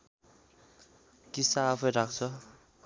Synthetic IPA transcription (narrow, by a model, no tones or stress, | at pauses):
kisaːpʰʌjɾak̚ʰt͡sʰʌ